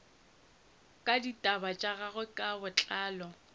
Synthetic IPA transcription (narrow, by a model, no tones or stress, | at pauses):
kʼaditʼabat͡ʃʼaɣaɣʊkʼabʊt͡ɬʼaːlɔ